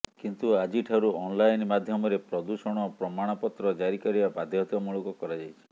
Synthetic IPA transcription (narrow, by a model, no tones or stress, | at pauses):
kint̪uad͡ʒiʈʰaɾuɔnlajnmad̪ʱjɔmɔɾepɾɔd̪usɔɽ̃ɔpɾɔmaɽ̃ɔpɔt̪ɾɔd͡ʒaɾikɔɾibabad̪ʱjɔt̪ɔmuɭukɔkɔɾad͡ʒajt͡ʃʰi̥